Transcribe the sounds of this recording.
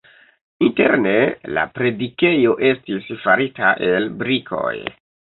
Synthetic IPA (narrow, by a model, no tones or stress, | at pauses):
inte̞̰ɾne̞la̰pɾe̞dike̞jo̞ʔe̞stisfaɾitaʔe̞lbɾikʰo̞̰j